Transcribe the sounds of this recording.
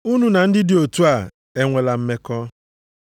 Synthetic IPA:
u˦nu˦na˨n̩˦dɪ˦dɪ˨o˨tu˦a˨ | e˦ŋʷe˨la˨m̩˦me˦kɔ˦

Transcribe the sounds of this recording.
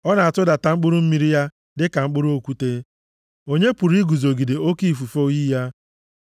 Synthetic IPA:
ɔ˦na˨a˨tʊ˦da˨ta˨ŋ͡m̩˦k͡pʊ˦ɾʊ˦m̩˦mi˦ɾi˦ja˦ | dɪ˦ka˨ŋ͡m̩˦k͡pʊ˦ɾu˦o˦˨kʷu˦te˦ | o˦ɲe˦pu˨ɾi˦ɡu˨zo˨ɡi˨de˨o˦ki˦˨fu˨fo˦ji˦ja˦

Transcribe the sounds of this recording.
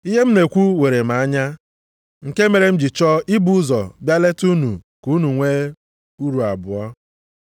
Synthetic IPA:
i˦ɦe˦m̩˦ne˨kʷu˦we˨ɾe˨ma˨a˦ɲa˦ | ŋ̩˨ke˦me˨ɾe˨m̩˦d͡ʒi˨t͡ʃɔ˦i˦bu˦zɔ˨bja˦le˦tu˦nṵ˨ | ku˨˦nu˨ŋʷe˦ | u˦ɾu˨a˨bʊ˨ɔ˦

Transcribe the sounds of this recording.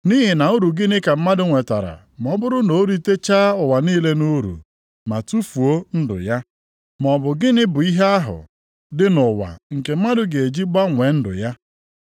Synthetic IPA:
ni˦ɦɪ˨na˨u˦ɾu˨ɡɪ˦nɪ˦ka˨m̩˦ma˦dʊ˦ŋʷe˨ta˨ɾa̰˨ | m˨ɔ˦bʊ˦ɾʊ˦no˨˦ɾi˦te˦t͡ʃa˦ʊ˨wa˨niː˦le˦nu˦ɾṵ˨ | ma˨tu˦fu˨o˦n̩˦dʊ̰˨ja˦ | mɔ˨bʊ˨ɡɪ˦nɪ˦bʊ˨i˦ɦe˦a˦ɦʊ̰˨ | dɪ˦nʊ˨wa̰˨ŋ̩˨ke˨m̩˦ma˦dʊ˦ɡe˨e˨d͡ʒi˦ɡ͡ba˦ŋʷe˨n̩˦dʊ̰˨ja˦

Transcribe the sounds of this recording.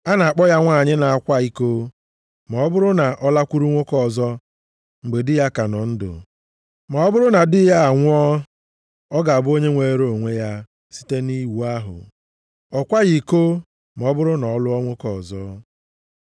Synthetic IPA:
a˦na˨a˨k͡pɔ˦ja˦ŋʷa˦˨ɲɪ˦na˨a˨kʷa˦i˦ko˦ | mɔ˨ɔ˦bʊ˦ɾʊ˦na˨ʔɔ˦la˦kʷu˦ɾu˦ŋʷo˦kɔ˦˨zɔ˦ | ŋ͡m̩˨ɡ͡be˨dɪ˦ja˦ka˨nɔ˨n̩˦dʊ̰˨ | mɔ˨ɔ˦bʊ˦ɾʊ˦na˨dɪ˦ja˦a˨ŋʷʊ˦ɔ˦ | ɔ˦ɡa˨a˨bʊ˦o˦ɲe˦ŋʷe˨˦ɾo˨ŋʷe˦ja˦ | si̥˦te˦ni˦wu˦a˦ɦʊ̰˨ | ɔ˨kʷa˦ɣi˨ko˦ | m˨ɔ˨˦bʊ˦ɾʊ˦nɔ˨ɔ˦lʊ˦ɔ˦ŋʷo˦kɔ˨zɔ˦

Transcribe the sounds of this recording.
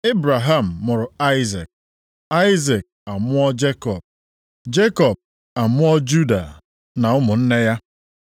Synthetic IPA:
e˦bɾa˨ɦa˨m̩˨mʊ˨ɾʊ˨a˦ɪ˦ze˨k̚ | a˦ɪ˦ze˨k̚a˨mʊ˦ɔ˦d͡ʒe˦kɔ˨b̚ | d͡ʒe˦kɔ˨b̚ | a˨mʊ˦ɔ˦d͡ʒu˦da˨ | na˨ʊ˦mʊ˨n̩˦ne˦ja˦

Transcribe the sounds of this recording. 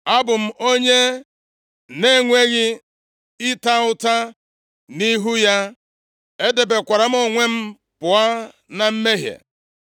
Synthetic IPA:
a˦bʊ˨m̩˨ʔo˦ɲe˦ | ne˦˨ŋʷe˦ɣɪ˦ | ɪ˦ta˦ʊ˦ta˦ | ni˦ɦu˦ja˦ | e˦de˨be˨kʷa˨ɾa˨m̩˦ɔ˦˨ŋʷe˦m̩˦ | pʊ˨a˦ | na˨m̩˦me˦ɦjḛ˨

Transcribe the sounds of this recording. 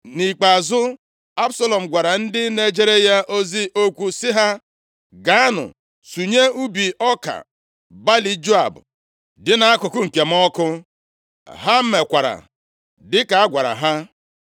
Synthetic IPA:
ni˨k͡pa˨zʊ˦ | a˦bsa˦lɔ˨m̩˨ɡʷa˨ɾa˨n̩˦dɪ˦ne˦d͡ʒe˦ɾe˦ja˦ʔo˦zi˦ʔo˦kʷu˦sɪ˦ɦa˦ | ɡa˨a˦nʊ̰˨ | su˨ɲe˦u˦bi˨ʔɔ˦ka̰˨ | ba˦li˨d͡ʒo˦a̰˨bʊ̰˨ | dɪ˦na˨a˦kʊ˨kʊ˦ŋ̩˨ke˨m̩˦ɔ˦kʊ˦ | ɦa˦m̩˦me˨kʷa˨ɾa̰˨ | dɪ˦ka˨a˦ɡʷa˨ɾa̰˨ɦa˦

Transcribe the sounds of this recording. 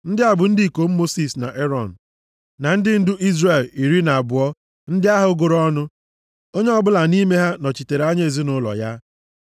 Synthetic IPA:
n̩˦dɪ˦a˨bʊ˨n̩˦di˦˨ko˨m̩˦mo˦si˨sna̰˨ʔe˦ɾɔ˨n̩˨ | na˨n̩˦dɪ˦n̩˦dʊ˦ʔi˦zre˨li˨ɾi˦na˨a˨bʊ˨ɔ˦ | n̩˦dɪ˦a˦ɦʊ˨˦ɡʊ˨ɾɔ˦nʊ˦ | o˦ɲe˦ɔ˦bʊ˦la˨ni˦me˦ɦa˦nɔ˨t͡ʃi˨te˨ɾa˦ɲ˦e˨zi˦nʊ˦lɔ̰˨ja˦

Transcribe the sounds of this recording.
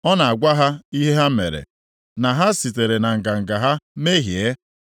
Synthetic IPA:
ɔ˦na˨a˨ɡʷa˦ɦa˦i˦ɦe˦ɦa˦mḛ˨ɾḛ˨ | na˨ɦa˦si˨te˨ɾe˨na˨ŋ̩˨ɡa˨ŋ̩˨ɡa˨ɦa˦me˦ɦje˦

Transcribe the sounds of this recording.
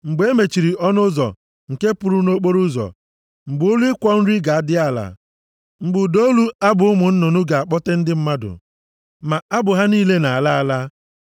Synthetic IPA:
ŋ͡m̩˨ɡ͡be˦me˨t͡ʃi˨ɾi˨ʔɔ˦nʊ˦zɔ̰˨ | ŋ̩˨ke˦pʊ˨ɾu˦no˦k͡po˦ɾu˦zɔ̰˨ | ŋ͡m̩˨ɡ͡bʊ˨˦ʊ˦li˦ɪ˦kʷɔ˦n̩˦ɾi˦ɡa˨a˦dɪ˦a˦˨la̰˨ | ŋ͡m̩˨ɡ͡bʊ˨do˦lu˦a˦bʊ˨ʊ˦mʊ˨n̩˦no˨nʊ˦ɡa˨a˨k͡pɔ˦te˦n̩˦dɪ˦m̩˦ma˦dʊ̰˨ | ma˨a˦bʊ˨ɦa˦niː˦le˦na˨a˨la˦a˦la˦

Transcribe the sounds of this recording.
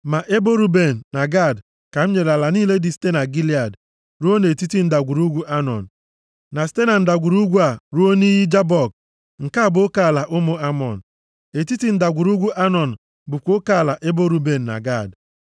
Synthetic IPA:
ma˨ʔe˦bo˦ɾu˦be˨n̩ː˨a˨ɡa˦˨d | ka˨m̩˦ɲe˨ɾa˨la˨niː˦le˦dɪ˨ste˦na˨ɡi˦li˦a˨d | ɾu˦o˦ne˨ti˦ti˦n̩˦da˨ɡʷu˨ɾu˦ɡʷu˦ʔa˦nɔ̰˨n̩˨ | na˨ste˦na˨n̩˦da˨ɡʷu˨ɾu˦ɡʷu˦a˨ɾu˦o˦ni˦ji˦d͡ʒa˦bɔ˨k̚ | ŋ̩˨ka˦˨bʊ˦ka˨la˨ʔʊ˦mʊ˦a˦mɔ˨n̩˨ | e˨ti˦ti˦n̩˦da˨ɡʷu˨ɾu˦ɡʷu˦ʔa˦nɔ˨n̩˨ | bʊ˨kʷo˦ka˨la˨ʔe˦bo˦ɾu˦be˨n̩˨na̰˨ɡa˦˨d

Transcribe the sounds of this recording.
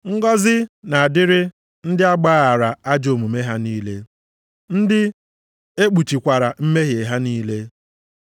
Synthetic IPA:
ŋ̩˦ɡɔ˦zɪ˦na˨a˨dɪ˦ɾɪ˦ | n̩˦dɪ˦a˦ɡ͡baː˦a˨ɾa˨a˦d͡ʒo˨mu˨me˦ɦa˦niː˦le˦ | n̩˦dɪ˦ | e˦k͡pu˨t͡ʃi˨kʷa˨ɾa˨m̩˦me˦ɦje˨ɦa˦niː˦le˦

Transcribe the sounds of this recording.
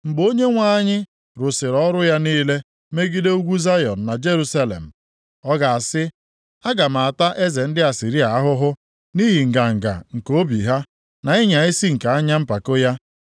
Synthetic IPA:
ŋ͡m̩˨ɡ͡bo˦ɲe˦ŋʷa˦ɲɪ˦ | ɾʊ˨sɪ˨ɾɔ˦ɾʊ˦ja˦niː˦le˦ | me˦ɡi˦de˦u˦ɡʷu˦za˦jɔ˨n̩˨na˨d͡ʒe˦ɾu˦sa˦lḛ˨m̩˨ | ɔ˦ɡa˨a˨sɪ˦ | a˦ɡa˨ma˨a˨ta˦ʔe˦ze˨n̩˦dɪ˦a˨si˨ɾi˦a˨a˦ɦʊ˦ɦʊ˦ | ni˦ɦi˨ŋ̩˨ɡa˨ŋ̩˨ɡa̰˨ŋ̩˨ko˦bi˨ɦa˦ | na˨i˦ɲa˨i˦si˦ŋ̩˨ka˨a˦ɲa˦m̩˦pa˨ko˦ja˦

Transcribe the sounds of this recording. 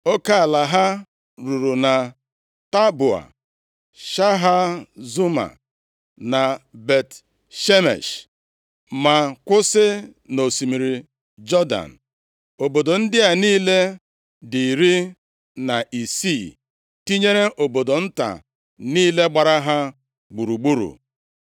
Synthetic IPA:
o˦ka˦a˨la˨ɦa˦ | ɾu˨ɾu˨na˨ | ta˦bu˨a̰˨ | ʃa˦ɦa˦zu˦ma̰˨ | na˨be˨t | ʃe˦mḛ˨ʃ | ma˨kʷʊ˦sɪ˦no˨si˨mi˨ɾi˨ | d͡ʒɔ˦da̰˨n̩˨ | o˨bo˨do˨n̩˦dɪ˦a˨niː˦le˦ | di˨ɾi˦ | na˨ʔi˨si˦˨ | ti˦ɲe˦ɾe˦ʔo˨bo˨do˨n̩˦ta̰˨ | niː˦le˦ɡ͡ba˨ɾa˦ɦa˦ | ɡ͡bu˨ɾu˨ɡ͡bu˦ɾṵ˨

